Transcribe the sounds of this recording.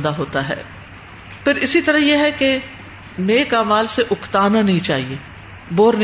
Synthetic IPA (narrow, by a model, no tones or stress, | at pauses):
d̪aːɦoːt̪aːɦɛ̰ː | pʰɪɾɪsit̪əɾəjeːɦɛke | neːkaːmaːlseʔʊkʰt̪aːnanɐɦĩt͡ʃaːɦieː | boːɾn